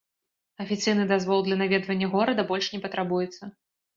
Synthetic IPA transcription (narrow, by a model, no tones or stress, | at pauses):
ɐfʲit̪sɨjnɨd̪azvɔlˠd̪lʲɐnavʲɛd̪vɐnʲːɐɣɔɾɐd̪ɐbɔlʲʂnʲɛpɐt̪ɾabujɛt̪sːɐ